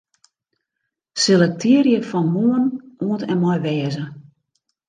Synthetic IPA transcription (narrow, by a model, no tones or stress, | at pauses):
selɛk̚tʰiəɾjəfɔnmoənuətɛnmɔjʋɛːzə